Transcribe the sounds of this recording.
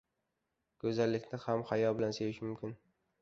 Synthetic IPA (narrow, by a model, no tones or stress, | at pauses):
kʲʰɵzalːɪkʲnɪhamhajɒbɪlansejɪʃmʊmkʲʰɪn